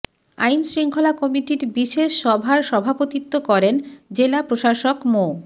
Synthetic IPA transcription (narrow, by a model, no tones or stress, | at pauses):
a̰jnsɾiŋkʰolakɔmiʈiɾbiʃeʃːɔbʱaɾʃɔbʱapot̪it̪ːokɔɾend͡ʑelapɾoʃaʃokmo